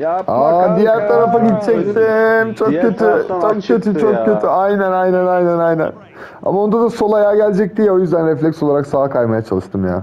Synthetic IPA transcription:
ad̪ijæɾt̪ʰaɾafaɟit̪̚t͡ʃʰɛksimt͡ʃʰo̞kʰːøt̪ʰyt͡ʃʰokcʰø̞t̪ʰyt͡ʃʰo̞k̚ːʰø̞t̪ʰyajnænajnænajnænajnæ̰n | a̰mao̞nd̪ad̪aso̞lˠajaːɟælʲd͡ʒɛc̚d̪ijio̞jyzd̪ænɾɛflʲɛksolˠaɾaksaːkʰajmajat͡ʃʰalˠɯʃt̪ʰɯmja̰ː

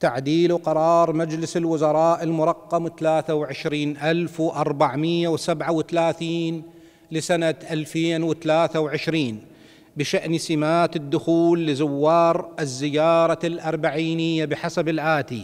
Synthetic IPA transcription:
t̪aʕd̪iːluqɑɾˤɑːɾˤmad͡ʒlɪsɪlwʊzɑɾˤɑːʔɪlmʊɾˤɑqːɑmθalaːθawʕɪʃɾiːnʔalfwʔɑɾˤbaʕmɪjːawsabʕawɪθalaːθiːn | lɪsanaʔalfeːnwɪθalaːθawʕɪʃɾiːn | bɪʃaʔnsɪmaːt̪ɪd̪ːʊxuːlːɪzʊwːɑːɾˤɪzːɪjɑːɾˤɑlʔɑɾˤbaʕiːnɪjːabɪħasabɪlʔaːt̪i

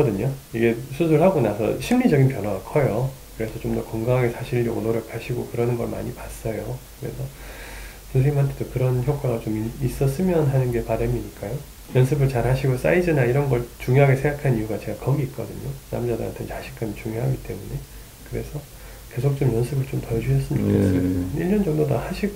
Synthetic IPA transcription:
ʌdɯɲoiɡe̞sʰus̬ʰɯɭhaɡonasʰʌ̰ɕʰimːid͡ʑʌɡinpjʌnɦwaɡakʰʌjokɯɾe̞sʰʌt͡ɕomdʌkʌŋɡaŋɦaɡe̞sʰaɕʰiʎːʌɡonoɾʌkʰaɕʰiɡokɯɾʌnɯnɡʌɭma̰ɲipas͈ʌjokɯɾe̞̰sʰʌ | sʰusʰeimɦantʰedokɯɾʌnçjok͈aɡat͡ɕomiis͈ʌs͈ɯmjʌnɦanɯnɡe̞paɾʌmiɲik͈ajo | jʌns̬ʰɯbɯɭt͡ɕaɾhaɕʰiɡos͈a̰id͡ʑinaiɾʌnɡʌɭt͡ɕuŋjoɦaɡe̞sʰe̞ŋɡakʰaniuɡat͡ɕe̞ɡakʌɡiːt̚k͈ʌdɯɲona̰md͡ʑadɯ̰ɦa̰ntʰent͡ɕaɕʰink͈ʰamit͡ɕuŋjoɦaɡit͈e̞mune̞ | kɯɾe̞sʰʌ | ke̞sʰok̚t͡ɕ͈omjʌnsʰɯbɯɭt͡ɕomtʌd͡ʑuɕʰʌs͈ɯmd͡ʑokʰes͈ʌjiʎːʌnd͡ʑʌŋdoda̰haɕʰiɡo

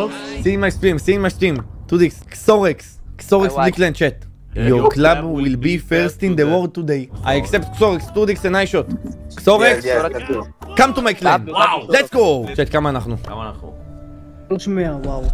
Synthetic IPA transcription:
sĩnmajstĩmsiŋmasĩmt̪ud̪iksksoʁeksksɔʁeksdiklɛ̃nt͡ʃɛt | jɔklabwilbifɛɾstĩnd̪əwɔld̚tud̪ejʔajaksɛptksɔʁɛkst̪udiksɛ̃najʃot̪ksoʁeks | kãmt̪umajklɛ̃nlɛtsɡot͡ʃɛtkamaːnaχnu | t͡ʃmeawaw

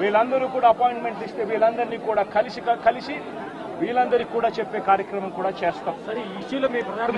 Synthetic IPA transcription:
ʋiːɭɐnd̪ɐɾuːkuːɽaːɐpoːjiɳʈme̞ɳʈist̪e̞ːʋiːɭɐnd̪ɐɾniːkuːɽaːkɐlisikɐkɐlisi | ʋiːlɐnd̪ɐɾikuːɽaːt͡ʃepːeːkaːɾjɐkɾɐmɐmkuːɽaːt͡ʃeːst̪aːmsɐɾiiʃilɐmiːpɐa

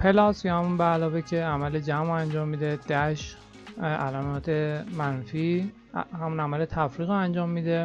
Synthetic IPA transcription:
pʰe̞lɒːsjɒhæmunbeːlɒːvecʰe̞æmæled͡ʒæmænd͡ʒɒːmːiːd̪ed̪̥æʃ | ʔælæmɒːt̪ʰemænfi | hæmunæmælet̪ʰæfɾiːɣænd͡ʒɒːmːiːd̪e̞

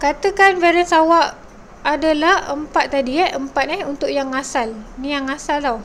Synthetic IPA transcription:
kat̪əkanfɛɾənsawaʔ | adalahəmpat̪̚ːadiɛʔəmpat̪̚nihunt̪ʊʔjaŋasalnĩjaŋasalt̪aw

